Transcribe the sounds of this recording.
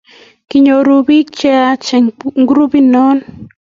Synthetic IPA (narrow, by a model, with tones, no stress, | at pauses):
kiɲo˨ɾu˧bi˦kt͡ʃe˦a˦t͡ʃe˨ŋŋɡɾu˦bi˦no˦n